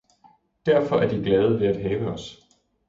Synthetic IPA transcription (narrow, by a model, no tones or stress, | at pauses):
d̥æɐfɒ̽ʔæɐd̥iɡ̥lɛːð̞̩ˠəʋe̝æd̥ɦɛːʋəɒ̽s